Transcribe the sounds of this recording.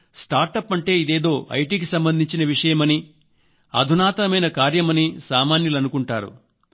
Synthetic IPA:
sʈaːɾʈɐpːɐɳʈe̞ːid̪e̞ːd̪o̞ːʔɐ̰jʈiːkisɐmbɐnd̪ʱiɲt͡ʃinɐʋiʂɐjɐmɐni | ɐ̰d̪ʱunaːt̪ɐɐmɐjnɐkaːɾjɐmɐnisaːmaːnjɐlɐnukuɳʈaːɾṵ

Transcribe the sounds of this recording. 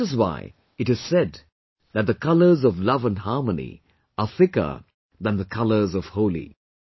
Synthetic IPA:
ɨzwa̰ɪ | ɨɾɨz̥sɛd̪ | ðɨt̚ðɨkʰʌlˠə˞zʌvlʌvə̃nhɑɹmənḭ | əθɪkə̰˞ | ðə̃nðəkʰʌlˠə˞zʌv̥hoʊlˠḭ

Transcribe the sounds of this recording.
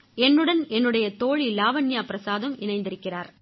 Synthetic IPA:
ɛnːɯɽɐnɛnːɯɽɐjɐt̪oːɻilaːʋɐnːjaːpɪɾɐsaːðɐmɪnɐɪnd̪ɪɾɯkːɪraːɾ

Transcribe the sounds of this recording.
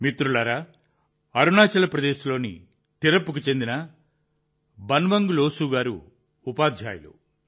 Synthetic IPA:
mit̪ɾulɐɾɐ | ɐɾunaːt͡ʃɐlɐpɾɐd̪eːsɐlo̞ːnḭ | t̪iɾɐpːukut͡ʃe̞nd̪inɐ | bɐnʋɐŋɡuloːsuːɡaːɾṵː | paːd̪ʱja̰ːjɐ̰lṵ

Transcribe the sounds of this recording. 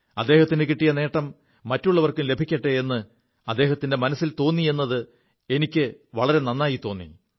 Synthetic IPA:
ɐd̪ːe̞ːhɐt̪ːinɨkiʈːijɐne̞ːʈːɐmː | ɐtːuɭːɐʋɐrkumle̞bʱikʲːɐʈːɨe̞nːɨ | ɐd̪ːe̞ːɦɐt̪ːinde̞mɐnɐsːilt̪o̞ːnːie̞nːɐðɨ | e̞nikʲːɨʋɐɭɐɾe̞nɐnːaːjit̪o̞ːnːḭ

